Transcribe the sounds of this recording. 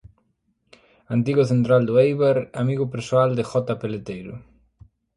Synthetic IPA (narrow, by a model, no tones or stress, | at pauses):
ant̪̬iɣʊθent̪ɾald̪ʊejβaɾamiɣʊpeɾsoald̪ɪxɔt̪apelet̪ejɾʊ